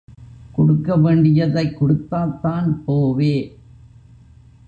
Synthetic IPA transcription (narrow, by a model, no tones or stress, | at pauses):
kɔɽɯkːɐʋeːɳɖɪjɐðɐɪkːɔɽɯt̪ːaːt̪ːaːnpoːʋeː